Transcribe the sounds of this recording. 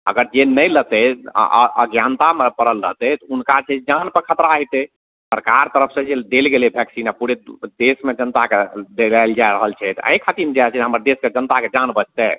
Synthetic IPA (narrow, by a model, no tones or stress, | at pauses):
ə̰ɡəɾd͡ʒenːəjlət̪ɛ̰ | ə̰ɡjant̪amepəɾəlːə̰t̪ɛt̪ɔunkat͡ʃʰɛd͡ʒanpəkʰət̪ɾaɦɛt̪ɛ | səɾkaɾt̪əɾəpʰsə̃d͡ʒed̪elɡelebʱjɛksinapuɾed̪esmed͡ʒənt̪aked̪elajld͡ʒajɾəɦəlt͡ʃʰɛt̪ɔə̰̃kʰat̪iɾmd͡ʒat͡ʃʰɛɦəməɾd̪esked͡ʒənt̪aked͡ʒanbət͡ʃʰt̪ɛ